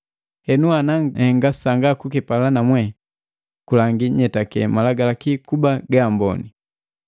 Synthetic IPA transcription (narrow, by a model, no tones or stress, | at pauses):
hɛnuanahɛŋɡasaŋɡakukipalanamwɛ | kulaŋɡiɲɛtakɛmalaɡalakikubaɡaːmbɔ̰ni